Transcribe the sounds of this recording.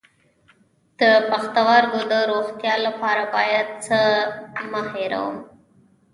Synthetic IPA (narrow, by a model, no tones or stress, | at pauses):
d̪̥əpaxt̪awɑɾɡod̪əɾoxt̪jɑlapɑɾabɑjad̪̚t͡səməheɾa̰wə̰m